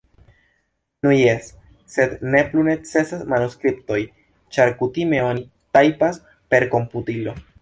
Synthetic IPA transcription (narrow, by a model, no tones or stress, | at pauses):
nunjesː | e̞dne̞plune̞t͡se̞sasmanuskɾipto̞j | t͡ʃaɾkutime̞o̞ni | tajpas | pe̞ɾko̞mputilo̞